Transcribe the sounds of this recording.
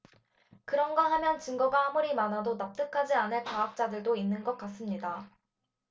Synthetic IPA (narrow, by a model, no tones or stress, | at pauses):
kɯɾʌnɡʌɦamjʌnt͡ɕɯŋɡʌɡahamuɾimanadonap̚t͈ɯkʰad͡ʑianɯɭkaak̚t͡ɕ͈adɯɭdoinːɯnɡʌk̚k͈as͈ɯmɲida